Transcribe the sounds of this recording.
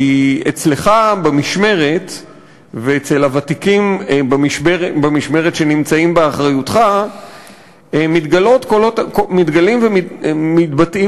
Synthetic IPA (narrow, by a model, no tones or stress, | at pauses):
iet͡sle̞χabemiʃme̞ʁet | veet͡selavat̪ikimbamiʃbebamiʃme̞ʁet̪ʃe̞nimt͡saimbeaχʁajutχa | mit̪ɡalo̞tkolotkomit̪ɡalimvemimitbati